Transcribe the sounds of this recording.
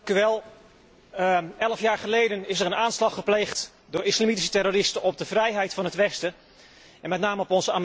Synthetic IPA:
kyʋɛlˠ | ɛləfjaːɹχəlejdənɪsəɾənaːnslɑχəplejχt | dʊːɹɪslamitis̬ə̥tɛroːrɪstənɔb̚dəvrɛjɦɛjtfɑnɦətʋɛstə | ʔɛnmɛtnaːməɔpɔnzəam

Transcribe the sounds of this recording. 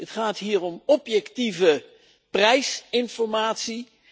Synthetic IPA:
ətχaːtɦiːrɔmɔpjɛktivə | prɛjsɪnfɔɹmaːtsi

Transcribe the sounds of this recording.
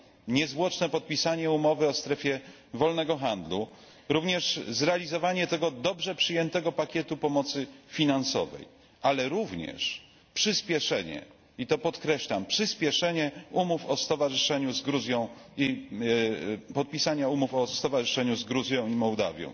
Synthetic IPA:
ɲɛzvwɔt͡ʂnɛpɔt̪̚pʲisaɲɛumɔvɘɔst̪ɾɛfʲjɛ | vɔlnɛɡɔxand̪lu | ɾuvɲɛʂzɾɛalʲizɔvaɲɛt̪ɛɡɔd̪ɔbʐɛpʂɘjɛnt̪ɛɡɔpakʲjɛt̪upɔmɔt̪sɘfʲinansɔ̰vɛ̰j | alɛɾuvɲɛ̰ʂ | pʂɘspʲjɛʂɛɲɛ̰ | it̪ɔpɔt̪kɾɛɕlampʂɘspʲjɛʂɛɲɛumufɔst̪ɔvaʐɨʂɛɲuzɡɾuzʲjɔ̃w̃ | i | pɔt̪̚pʲisaɲaumufɔst̪ɔvaʐɨʂɛɲuzɡɾuzʲjɔ̃w̃imɔwd̪a̰vʲjɔ̰̃w̃

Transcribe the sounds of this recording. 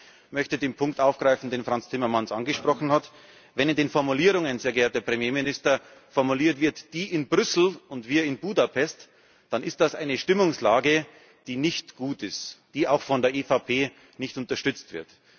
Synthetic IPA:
mœçtədeːnpʰʊŋktʔaʊfɡ̥ʁaɪfn̩deːnfʁ̥ant͡stʰɪmɐmansʔanɡəʃpʁ̥ɔxn̩hat | vɛnɪndeːnfɔɐmuliːʁʊŋənzeːɐɡeːɐtɐpʁ̥ɛmjeːmɪnɪstɐ | fɔɐmuliːɐtv̥ɪɐtd̥iːʔɪnbʁʏsl̩ʊntv̥iːɐɪnbuːdapʰɛst | d̥anɪst̚d̥asʔaɪnəʃtɪmʊŋslaːɡə | d̥iːnɪçtɡ̥uːtɪstd̥iːaʊxfɔndeːɐʔeːfapʰeː | nɪçtʊntɐʃtʏt͡stv̥ɪɐt

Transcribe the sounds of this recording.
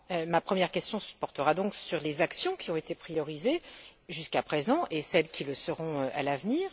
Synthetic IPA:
ømapχəmjɛʁkʲɛst̪jɔ̃sə̥pɔʁt̪əʁad̪ɔ̃ksyʁlezaksjɔ̃kʲʰiɔ̃et̪epχijɔʁizeʒyskapχezɑ̃ʔesɛlkʲʰiləsəʁɔ̃øʔa̰lavniːʁ

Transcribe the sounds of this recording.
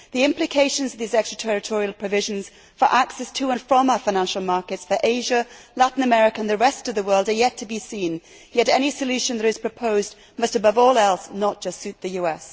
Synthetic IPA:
ðiɪ̃mplɨkʰeɪʃɨ̃nzʌvðizɛkstɹ̥ətʰɛɹɨtʰɔɹiəlˠpʰɹ̥ɨvɪʒɨ̃nz̥ | fə˞ʔaksɛstʰəə̃nfɹə̃maəfaɪñæ̃nʃl̩ˠmɑɹkɨtsfə˞ʔeɪʒəlæʔn̩əmɛɹɨkəə̃nðɨɹɛstʌvðəwɜ˞lˠdəjɛtʰɨbisĩn | jɛɾɛñisɨlʉʃɨ̃nðə˞ɨz̥pʰɹ̥ɨpʰoʊz | mʌstɨbʌvɔlˠɛlˠsnət̚d̥ʒ̥ʌstsʉt̪̚ðɨjʉɛs

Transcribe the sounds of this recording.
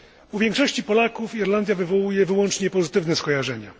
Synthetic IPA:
uvʲjɛŋkʂɔɕt͡ɕipɔlakufiɾland̪ʲjavɘvɔwujɛvɘwɔnt͡ʂɲɛpɔzɘt̪ɘvnɛskɔjaʐɛɲa

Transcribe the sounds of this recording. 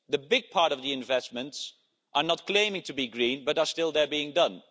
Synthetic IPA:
ðɨbɪɡ̚pʰɑɹɾʌvðiɨ̃ɱvɛsmə̃nts | ʔə˞nət̚kʰl̥ẽɪ̃mɪ̃ŋtʰəbiɡɹĩnbʌɾə˞stɪlˠðə˞biɪ̃ŋdʌ̃n

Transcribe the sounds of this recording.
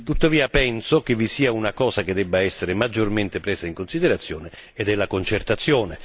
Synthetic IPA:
t̪ut̪ːaviːapɛnsok̟evːisiːaunakɔːsaked̪ːɛbːaɛsːeɾemad͡ʒːorment̪ɪpɾɛːzaiŋkonsid̪eɾat̪sːjɔːneː | d̪ɛlːakont͡ʃert̪at̪sːjɔːne

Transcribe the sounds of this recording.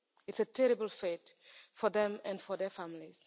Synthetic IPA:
ɨtsətʰɛɹibəlˠfetfɔðɛ̃mæ̃nfɔðɛfamliz̥

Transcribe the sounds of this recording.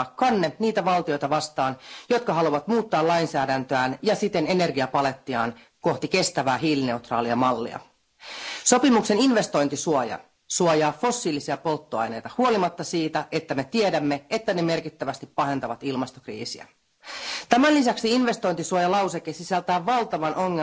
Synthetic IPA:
kːɑnːeniːt̪æʋɑlt̪io̞jt̪ɑʋɑst̪ɑːnjo̞t̪kɑɦɑluʋɑt̪muːt̪ːɑːlɑjnsæːdænt̪øæːnjɑsit̪e̞ne̞ne̞rɡiɑpɑle̞t̪ːiɑ̰ːn | ko̞ht̪ike̞st̪æʋæːɦiːline̞ut̪rɑ̰ːliɑmɑlːḭɑ̰ | so̞pimukse̞ninʋe̞st̪o̞jnt̪isuojɑ̰ | suojɑːfo̞sːiːlisiɑpo̞lt̪ːoɑ̰jne̞jt̪ɑhuo̞limɑt̪ːɑsiːt̪æʔe̞t̪ːæme̞t̪ie̞dæmːeet̪ːæne̞me̞rkit̪ːæʋæst̪ippɑɦe̞nt̪ɑʋɑt̪ilmɑst̪o̞krḭːsḭæ̰ | t̪æmænlisæksiinʋe̞st̪o̞jnt̪isuojɑlɑwsekesisælt̪æːʋːɑlt̪ɑʋɑnʔo̞ŋːe

